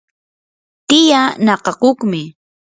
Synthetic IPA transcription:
t̪ɪjanɑqɑqoχmɪ

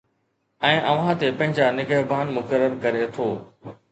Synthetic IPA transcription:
ɛ̃ːʔɐʋ̤ãt̪epɐ̃ɦɪ̃ɲd͡ʑanɪɡəɦbʱaːnmʊkəɾːəɾkɐɾet̪ʰoː

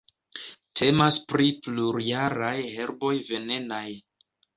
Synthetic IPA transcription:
tʰe̞maspɾipluɾjaɾajhe̞ɾbo̞jve̞ne̞naj

